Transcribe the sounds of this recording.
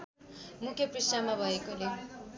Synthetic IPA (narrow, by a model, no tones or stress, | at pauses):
mukʰjʌprisamabʱʌekole